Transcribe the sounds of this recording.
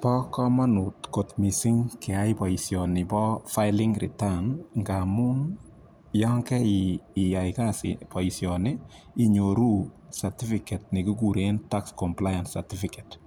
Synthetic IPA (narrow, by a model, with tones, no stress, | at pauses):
pɔ˦kɔ˦ma˦nutko˨tmi˨si˦ŋke˨aipɔ˨isjɔnɪ˨bɔ˦fa˦ɪlɪŋɾɪ̰˨tanŋɡa˨mu˦n | jɔ˦ŋkɛ˦iː˨jaikasɪ̰pɔ˨isjɔnɪ˦ | i˨ɲo˨ɾu˦ | saɾti˦fikɛ˨t̚nɪ˨ku˦kuɾenta˦kskɔmplaja˨nsati˦fikɛt